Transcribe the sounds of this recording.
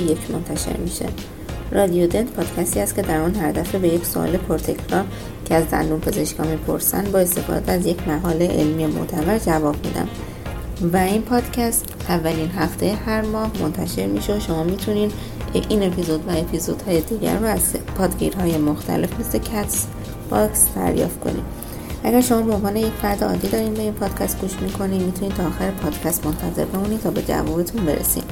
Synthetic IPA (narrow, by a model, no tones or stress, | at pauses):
jekʰmont̪ʰæʃḛɾmiʃḛ | ɾɒːd̪ijod̪e̞nt̪pʰɒːd̪̥cʰæst̪iːhæst̪cʰʲe̞d̪æɾunɦæɾd̪æfobe̞je̞cso̰ʔɒ̰le̞pʰoɾt̪ʰe̞cʰɾɒɾ | cʰeæzd̪æ̰nd̪uːmpʰe̞ze̞ʃkɒ̰ːmiːpʰo̞̰ɾsæ̰nd̪̚bɒːe̞st̪ʰe̞fɒ̰ːd̪ææzje̞cʰmæɣɒːleʔḛlmijemo̰t̪ʰævæɾd͡ʒævɒːb̥̚mḭːd̪æ̰m | væinpʰɒːd̪̥cʰæst̪ | ævːæliːnɦæft̪ʰejehæɾmɒːhmo̰nt̪ʰæʃe̞ɾmiːʃeoʃo̞mɒːmiːt̪ʰuniːn | eʔiːne̞pʰizo̞d̪væe̞pʰizod̪hɒːjed̪iːɟæ̰ɾːuæzpʰɒːd̪ɡḭɾhɒːje̞moxt̪ʰæ̰le̞fmesle̞cʰæt̪s | b̥ɒksd̪̥æ̰ɾjɒ̰ːft̪kʰo̞̰nḭːd̪ | ʔæɡæɾʃo̞mɒːbe̞onvɒːneje̞cfæɾd̪eɒ̰ːd̪ːiːd̪ɒːɾiːnbe̞iːnpʰɒːd̪̥cʰæst̪̚ɡuːʃmikʰo̞niːmit̪ʰuniːd̪t̪ʰɒːxæɾepʰɒːd̪̥cʰæst̪mo̞nt̪ʰæze̞̰ɾbe̞munit̪ʰɒːbe̞̰d͡ʒæ̰vɒːbe̞t̪ʰunbe̞ɾḛsḭn